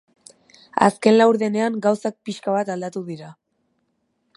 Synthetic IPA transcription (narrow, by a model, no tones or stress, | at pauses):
a̰ske̞nlawɾðe̞ne̞aŋɡawsak̚piʃkaβat̪ald̪at̪uðiɾa